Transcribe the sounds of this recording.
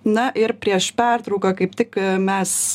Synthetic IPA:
nɐʔɪɾpʲɾʲiɛʃpʲært̪ɾɐʊkɐkɐɪp̚t̪ʲɪkmʲɛs

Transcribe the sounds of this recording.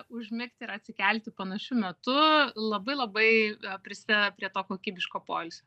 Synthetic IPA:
ʊʒʲmʲɪkt̪ʲɪɾɐt̪ʲsʲɪkʲɛlʲt̪ʲɪpɐnɐʃʲʊmʲɛt̪ʊlˠɐbɐɪlˠɐbɐɪpʲɾʲɪsʲɪd̪ʲɛd̪ɐpʲɾʲiɛt̪oːkoːkʲiːbʲɪʃkoːpo̰ːlʲsʲoː

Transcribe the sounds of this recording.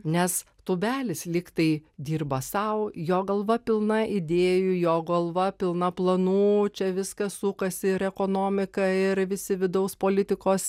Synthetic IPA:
nʲɛs | t̪uːbʲæːlʲɪslʲiːkt̪ɐɪd̪ʲiːrbɐsɐʊjoːɡɐlˠʋɐpʲɪlˠnɐʔɪd̪ʲeːjujoːɡɐlˠʋɐpʲɪlˠnɐplˠɐnuːt͡ʃʲɛʋʲɪskɐsuːkɐsʲɪɪɾɛkoːnoːmʲɪkɐɪɾʋʲɪsʲɪʋʲɪd̪ɐʊspoːlʲɪt̪ʲɪkoːs

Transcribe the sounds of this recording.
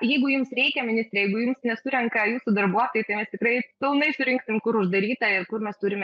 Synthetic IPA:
jɛɪɡʊjʊmsrʲɛɪkʲɛmʲɪnʲɪsʲt̪ɾʲɛjɛɪɡʊjʊmsnʲɛsʊɾʲɛŋkɐjuːsʊd̪ɐrbuɔt̪oːjɪt̪ɐɪmʲɛst̪ʲɪkrɐɪpʲɪlˠnɐɪsʊɾʲɪŋksʲɪmkʊɾʊʒd̪ɐɾʲiːt̪ɐɪrkʊrmʲɛst̪ʊɾʲɪmʲɛ

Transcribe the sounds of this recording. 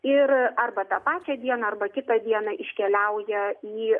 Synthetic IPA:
ɪrɐrbɐt̪ɑpɑːt͡ʃʲɛd̪ʲiɛnɐɐrbɐkʲɪt̪ɐd̪ʲiɛnɐʔɪʃʲkʲɛlʲɛʊjɛiː

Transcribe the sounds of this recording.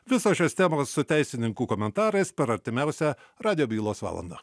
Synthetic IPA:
ʋʲɪsoːʃʲoːst̪ʲæmoːsːʊt̪ʲæɪsʲɪnʲɪŋkuːkoːmʲɛnt̪ɑːɾɐɪspʲɛɾɐɾʲt̪ʲɪmʲæˑʊsʲɛ | ɾɑːd̪ʲɪjoːbʲiːlˠoːsʋɑ̰ːlˠɐ̰nd̪ɑ̰

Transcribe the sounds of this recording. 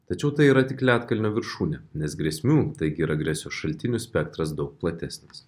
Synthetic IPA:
t̪ɐt͡ʃʲɛʊt̪ɐɪiːɾɐt̪ʲɪklʲæːt̪kɐlʲnʲoːʋʲɪɾʃuːnʲɛnʲɛsɡɾʲɛsʲmʲuːt̪ɐɪɡʲiːɾɐɡɾʲɛsʲoːsʃɐlʲt̪ʲɪnʲʊsʲpʲɛkt̪ɾɐs̬d̪ɒʊk̚plˠɐt̪ʲæsʲnʲɪs

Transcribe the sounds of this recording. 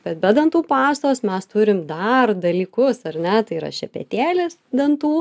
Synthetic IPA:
b̥ʲɛt̪̚bʲɛd̪ɐnt̪uːpɑːst̪oːsmʲɛst̪ʊɾʲɪmd̪ɐrd̪ɐlʲiːkʊsɐɾnʲɛt̪ɐɪiːɾɐ̰ʃʲɛpʲɛ̰t̪ʲæːlʲɪsd̪ɐnt̪t̪uː

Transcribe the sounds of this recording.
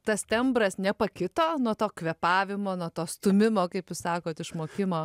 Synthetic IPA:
t̪ɐst̪ʲɛmbɾɐsnʲɛpɐkʲɪt̪oːnuɔt̪oːkʋʲɛpɑːʋʲɪmoːnuɔt̪oːst̪ʊmʲɪmoːkɐɪpjʊssɑːkoːt̪ɪʃmoːkʲɪmoː

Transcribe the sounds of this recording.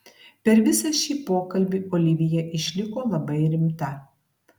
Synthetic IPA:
pʲɛɾʋʲɪsɐʃʲiːpoːkɐlʲbʲiːʔoːlʲɪʋʲɪjɛʔɪʃʲlʲɪkoːlˠɐbɐɪɾʲɪmt̪ɐ

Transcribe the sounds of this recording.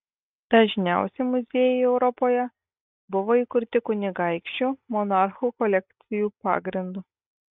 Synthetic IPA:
d̪̥ɐʒʲnʲæˑʊsʲɛɪmʊzʲeːjɛɪɛʊɾɔpoːjɛ | bʊʋoːiːˑkʊɾʲt̪ʲɪkʊnʲɪɡɐɪkʃʲt͡ʃʲumɔnɑɾxuːkɔlʲɛk̚ʲt̪sʲɪjuːpɑ̰ːɡɾʲɪnd̪uː

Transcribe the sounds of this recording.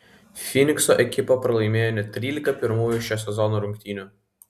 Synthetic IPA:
fʲinʲɪksɔʔɛkʲɪpopɾɐlˠɐɪmʲeːjonʲɛt̪ʲɾʲiːlʲɪkɐpʲɪɾmuːjuʃʲɛsʲɛzɔnuɾʊŋʲkʲt̪ʲiːnʲʊ

